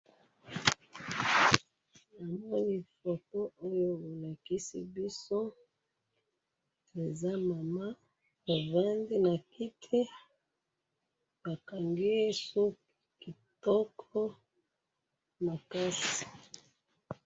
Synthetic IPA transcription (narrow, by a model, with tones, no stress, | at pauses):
na˨mɔ˦ni˦fo˨to˦ʔo˦jo˦bo˨la˨ki˦sḭ˦bi˦so˦ | e˨za˦ma˨ma˦ | a˨va˦ndi˦na˨kʰi˦tʰe˦ | ba˨ka˨ŋɡi˦e˦su˦k | ki˨tɔ˦kʰɔ˦ | ma˨ka˦si̥˨